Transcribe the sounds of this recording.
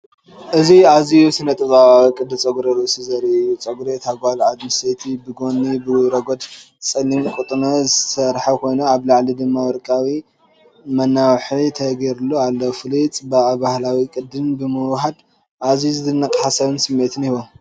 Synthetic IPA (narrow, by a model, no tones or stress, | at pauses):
ʔɨziazijusɨnɐt̪ʼɨzʼakʼɨd̪ːɨt͡sʼɐɡuɾesɨzɐɾijut͡sʼɐɡuɾet̪ʰaɡʷalʕad̪mɨset̪ʰibɨɡo̞nːibɨɾɐɡod̪ | t͡sʼɐlimkʼut̪ʼnozɨsɐɾħakʰo̞jnuaβlaʕlid̪ɨmːawɔɾkʼawi | mɐnːawħit̪ʰɐɡeɾulːoalːofɨlit͡sʼbabahlawikʼɨd̪ːɨnbɨmɨwɦad̪ | ʔazizɨt̪ɨnːɐkʼħasɐβɨnsɨmːet̪ʰɨniβom